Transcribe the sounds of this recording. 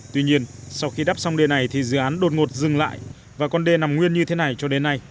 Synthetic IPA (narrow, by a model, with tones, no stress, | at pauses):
t̪wi˧ɲi˧ənsa˧wxi˧ɗaː˦˥p̚sa˧wŋ͡mɗe˧na˨˩jt̪ʰi˨˩zɨ̰˧˨ʔaː˨˦nɗo˨˩t̚ŋo˨˩t̚zɨ˨˩ŋla̰ː˧˨j | vaː˨˩kɔ˧nɗe˧na˨˩mŋwi˧ənɲɨ˧t̪ʰe˨˦na˨˩jt͡ɕɔ˧ɗe˨˦nːa˧j